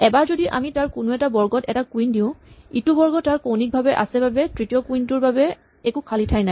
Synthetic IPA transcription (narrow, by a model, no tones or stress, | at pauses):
ɛbaɹzodiʔa̰mitaɹkʊnʊɛtabɔɹɡɔtɛtakuindiʊ̃itubɔɹɡɔtːaɹkownik̚bʱabɛʔa̰sɛbabɛtɹitiɔkuintʊɹbabɛ | ɛkukʰalitʰajnaj